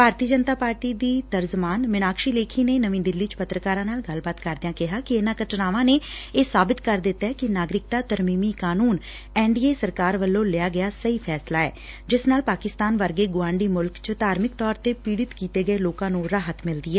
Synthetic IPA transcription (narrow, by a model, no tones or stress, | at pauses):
bʱaːɾt̪iːəd͡ʒənt̪aːpaːɾʈiːd̪iːt̪əɾd͡ʒəmaːnʋɪnaːkʃiːleːkʰiːneːnəʋĩːd̪ɪlːiːt͡ʃpət̪ɾəkaːɾãːnaːlɡəlbaːt̪kəɾd̪ɪãːkɪɦaːkɪenãːkəʈnaːʋãːneːeːsaːbɪt̪kəɾd̪ɪt̪ːaɦɛːkɪnaːɡɾɪk̚t̪aːt̪əɾmiːmiːkaːnuːn | ɛːɳɖiːeːsəɾkaːɾʋəlːõːlɪjaːɡɪaːsəiːpʰɛːslaːɛ̰ː | d͡ʒɪsnaːlpaːkɪst̪aːnʋəɾɡeːɡʊʋãːɳɖiːmʊlkt͡ʃd̪ʱaːɾmɪkt̪ɔːɾt̪eːpiːɽɪt̪kiːt̪eːɡəeloːkãːnũɾaːɦət̪mɪld̪iːɦɛː